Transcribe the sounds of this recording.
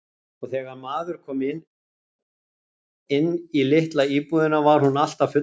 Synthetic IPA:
ɔɣθɛːɣaɾmaːðʏɾ̥kʰɔːmɪnː | ɪnːilɪht̪laiːpuðɪnavaɾ̥hunal̥t̪avfʏ

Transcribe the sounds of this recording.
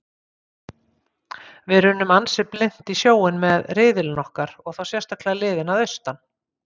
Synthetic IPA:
vɪðɾʏnːʏmansɪplɪn̥t̪isjoːwɪnmɛðrɪːðɪlnɔhkaɾɔɣθawsjɛ̥st̪akʰlɛalɪːðɪnaðœɥst̪an

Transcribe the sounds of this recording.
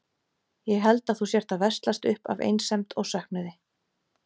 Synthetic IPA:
jɛɣɦɛlt̪aðθusjɛɾ̥t̪avɛrst̪last̪ʏhpa̰vḛjnsɛmt̪ʰɔɣsœhknʏðɪ

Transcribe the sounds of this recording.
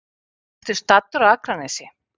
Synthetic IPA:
t̪ʏ̥st̪at̪ːʏɾaðakɾanɛsɪ

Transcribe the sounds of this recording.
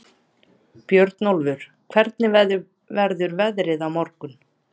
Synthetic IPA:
pjœɾt̪nolvʏɾ̥ | kʰvɛɾt̪nɪ | vɛɾðʏɾvɛðɾɪðawmɔɾkʏn

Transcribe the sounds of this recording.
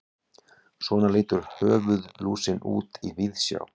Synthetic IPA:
svɔːnaleːt̪ʏɾ̥hœːvʏðluːsɪnṵːt̪ivɪðsja̰ːw

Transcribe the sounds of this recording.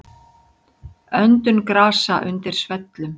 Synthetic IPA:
œnt̪ʏnkɾaːsaʔʏnt̪ɪɾ̥svɛt̪lʏm

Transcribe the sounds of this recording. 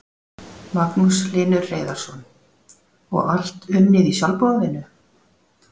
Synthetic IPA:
maknuslɪːnʏɾːeːjðaɾ̥sɔn | ɔ̰ɣal̥t̪ʏnːɪðisjalpɔðɪnʏ

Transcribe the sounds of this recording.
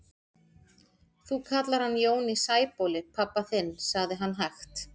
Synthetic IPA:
θukʰat̪laɾ̥hanːjoːwnisaːjpowlɪpʰapːaθɪnːsaɣðɪɦanːɦaxt̪

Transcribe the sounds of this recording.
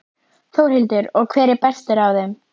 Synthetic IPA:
θowɾ̥hɪlt̪ʏɾɔɣkʰv̥ɛːɾɪɾpɛst̪ɪɾawðɛm

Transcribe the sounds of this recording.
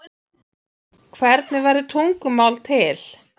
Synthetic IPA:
kʰvɛɾt̪nɪvɛjɾðɪt̪ʰuŋkʏmaːwlt̪ʰɪl̥

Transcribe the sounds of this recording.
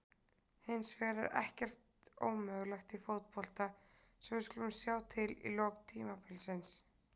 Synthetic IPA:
hɪnsvɛːɾaɾɛ̰hcɛr̥t̪o̰ːwmœɣlɛxt̪ifowt̪̚pɔl̥t̪a | sɛmvɪskʏlʏmsjaːwt̪ʰɪlḭlɔːɣt̪ʰiːmapɪlsɪns

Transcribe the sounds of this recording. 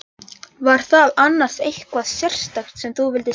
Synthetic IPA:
vaɾ̥θaðanːḁsejhkvaðsjɛr̥st̪axt̪sɛmθuvɪlt̪ɪ

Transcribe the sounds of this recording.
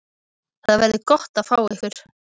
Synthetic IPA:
θaðavɛɾðɪkɔht̪aðfaːwɛhkwʏɾ̥

